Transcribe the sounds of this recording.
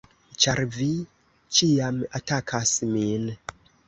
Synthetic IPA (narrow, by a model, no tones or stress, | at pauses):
t͡ʃaɾvi | t͡ʃiamatakʰasmin